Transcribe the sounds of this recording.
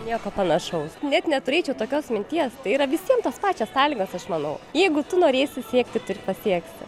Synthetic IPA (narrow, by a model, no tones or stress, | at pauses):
nʲiɛkoːpɐnɐʃɐʊsnʲɛt̪nʲɛt̪ʊɾʲeːt͡ʃʲɛʊt̪oːkʲoːsmʲɪnʲt̪ʲiɛst̪ɐɪiːɾɐʋʲɪsʲiɛmt̪oːspɑːt͡ʃʲɛssɑːlʲiːɡoːsɐʃmɐnɐʊjɛɪɡʊt̪ʊnoːɾʲeːsʲɪsʲiɛkt̪ʲɪt̪ʊrʲpɐsʲiɛksʲɪ